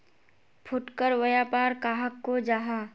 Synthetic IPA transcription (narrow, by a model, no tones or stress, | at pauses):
pʰʊʈkəɾʋɐjaːpaːɾkaːɦəkːod͡ʒaːɦaː